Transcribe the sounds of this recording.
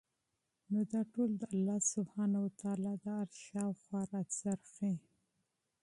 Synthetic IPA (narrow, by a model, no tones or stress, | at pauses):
nod̪ɑʈold̪əalːɑsʊbhɑnawat̪ɑlɑd̪əaɾʃɑwxwɑɾazaɾxi